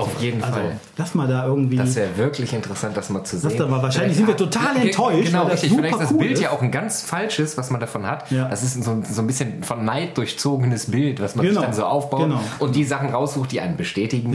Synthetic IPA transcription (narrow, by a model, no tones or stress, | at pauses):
ʔaʊfjeːdn̩afal | lasmaːldaːʔɪɐɡŋ̩tv̥iːdasv̥ɛːɐvɪɐklɪçɪntəʁəsant̚d̥asmaːlt͡suzasːnamaːvaːɐʃaɪnɪçzɪntviːɐtʰotʰaːlɛntʰːɔʏʃɡənaʊʁɪçtɪçzufɪlaɪsdasːbɪlttjaːʔaʊxn̩ɡant͡sfalʃəsv̥asmandafɔnhatjad̥asɪstn̩zoːnzoːnbɪsçənfɔnːaɪt̚d̥ʊɐçt͡soːɡənəsbɪltv̥asmanzəndanzoːʔaʊfb̥aʊnaʊʔʊntd̥iːzaχn̩ʁaʊsz̥uːxt̚d̥iːʔaɪnənbəʃtɛːtɪɡŋ̩